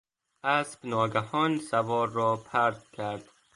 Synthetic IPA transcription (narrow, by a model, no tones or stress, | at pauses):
ʔæsbnɒːɡæhɒːnsævɒːɾːɒːpʰæɾd̪̚kʰæɾd̪̥